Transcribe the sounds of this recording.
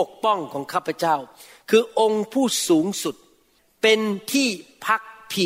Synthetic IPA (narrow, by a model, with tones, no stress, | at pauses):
o˨˩k̚pɔ˥˩ŋkʰɔː˩˦ŋkʰaː˥˩pʰːa˧t͡ɕa˥˩w | kʰɯː˧ʔo˧ŋpʰuː˥˩suː˩˦ŋsu˨˩t̪̚ | pe˧nt̪ʰiː˥˩pʰa˦˥k̚pʰi˨˩